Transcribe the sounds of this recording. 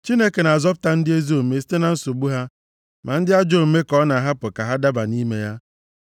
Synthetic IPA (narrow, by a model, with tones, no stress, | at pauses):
t͡ʃi˦ne˦ke˨na˨a˨zɔ˦p̬ʊ̥˦ta˦n̩˦dɪ˦e˦zi˦o˨me˨si̥˦te˦na˨n̩˦so˨ɡ͡bu˦ɦa˦ | mʔa˨n̩˦dɪ˦a˦d͡ʒo˦˨m̩˨me˦kɔ˦na˨ɦa˦pʊ˨ka˨ɦa˦da˦ba˨ni˦me˦ja˦